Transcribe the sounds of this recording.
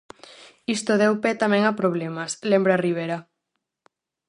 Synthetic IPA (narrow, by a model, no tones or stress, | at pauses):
ist̪oðewpɛt̪amẽŋapɾoβ̞lemaslembɾariβ̞eɾa